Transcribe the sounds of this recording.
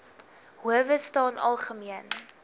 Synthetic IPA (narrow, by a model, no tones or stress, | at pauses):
ɦuəvəstɑːnɐlˠχəmiən